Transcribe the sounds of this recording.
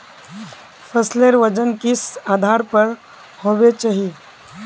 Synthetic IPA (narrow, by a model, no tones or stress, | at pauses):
fʰəsleɾʋəd͡ʒənkɪsaːd̪ʱaːɾpəɾ | hoːʋet͡ʃaːɦi